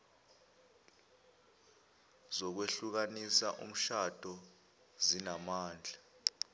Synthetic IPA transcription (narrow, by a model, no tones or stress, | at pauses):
zɔk̬weɬuk̬anisaʔṵm̩ʃad̥ʱʼɔ | zinamaːnd͡ɮʱa